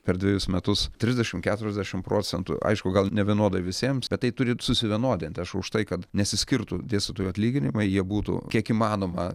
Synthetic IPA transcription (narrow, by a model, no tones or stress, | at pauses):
pʲɛɾd̪ʲʋʲɪjʊsmʲɛt̪ʊst̪ʲɾʲɪzʲd̪ʲɛʃʲɪmkʲæːt̪ʊɾʲɛzʲd̪ʲæʃʲɪmpɾoːt͡sʲɛnt̪ʊ̰ɐ̰ɪʃkʊɡɐlˠnʲɛʋʲiɛnoɔd̪ɐʋʲɪsʲiɛmsb̥ʲɛt̪t̪ːɐɪt̪ʊɾʲɪsʊsʲɪʋʲiɛnoːd̪ʲɪnʲt̪ʲɪɐʃʊʃt̪ɐɪkɐt̪nʲɛt̪sʲɪsʲkʲɪrt̪ʊd̪ʲeːsʲtɐt̪oːjuɐt̪ʲlʲiːɡʲɪnʲɪmɐɪjiɛbuːt̪ʊ̰kʲiɛkiːmɑːnoːmɐ